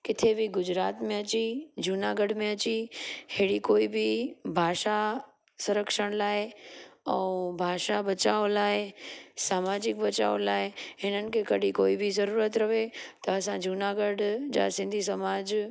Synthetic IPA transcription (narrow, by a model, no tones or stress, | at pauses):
kɪt̪ʰebɪɡʊd͡ʑɾaːt̪mẽɐt͡ɕid͡ʑuːnaɡəɖ̤ʱmẽɐt͡ɕiheːɽikoːibɪbʱaːʃa | sʊɾəkʃəɽ̃laːɦeɛ̃ːbʱaːʃabɐt͡ɕaːolaːɦesaːmaːd͡ʑɪk̚bɐt͡ɕa̰ːolaːɦeɦɪnənɪ̆kʰekɐɗikoːibʱizɐɾuːɾət̪ɾɐʋet̪ɐɐsãd͡ʑʱuːnaɡəɖd͡ʑa̰sɪ̃nd̪ʱisɐmaːd͡ʑ